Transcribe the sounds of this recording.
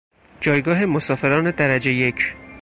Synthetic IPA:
d͡ʒɒːjɡɒːɦe̞mosɒːfe̞ɾɒːne̞d̪æɾæd͡ʒe̞je̞cʰ

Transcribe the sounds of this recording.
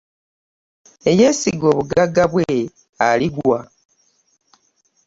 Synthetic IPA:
e̞jeːsiɡoːβuɡaɡaβwe | aliɡwa

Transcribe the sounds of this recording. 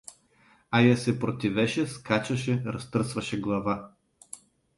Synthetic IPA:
ajasɛpɾot̪ʲivɛʃɛskat͡ʃɐʃɛɾɐst̪ɤɾsvɐʃɛɡlˠɐva

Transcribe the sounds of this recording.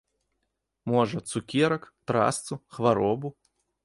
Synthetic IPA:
mɔʐɐt̪sukʲɛɾɐkt̪ɾa̰st̪suxʋaɾɔbu

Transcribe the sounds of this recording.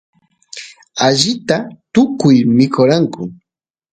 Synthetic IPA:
aʒɪt̪at̪ʊkʊjmɪkʰoɾaŋkʊ

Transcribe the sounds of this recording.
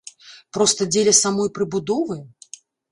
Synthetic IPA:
pɾɔst̪ɐd͡zʲelʲɐsamɔjpɾɨbud̪ɔvɨj

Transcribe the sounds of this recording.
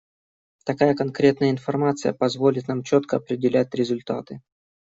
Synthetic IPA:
t̪ɐkajəkɐnkɾʲe̞t̪nəjəɪnfɐrmat̪sɨjə̰pɐzvo̞lʲɪt̪namt͡ɕot̪kəɐpɾʲɪdʲɪlʲætʲɾʲɪzʊlʲt̪a̰t̪ɨ

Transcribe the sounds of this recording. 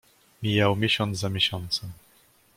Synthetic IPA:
mʲijawmʲjeɕɔnt̪zamʲjeɕɔnt̪sɛ

